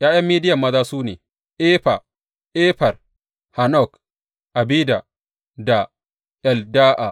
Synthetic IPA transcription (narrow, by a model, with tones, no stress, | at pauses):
jaː˦jɐ˦mːiː˦dɪ˦jɐ˨mːɐ˦zaː˦suː˦neː˨ | ʔɛ˦ɸa̰˨ | ʔɛ˦ɸɐ˨r | ha˨nɔ˦˨k | ʔa˨biː˦da˨ | da˨ | ʔɛ˨ldaː˦ʔa˨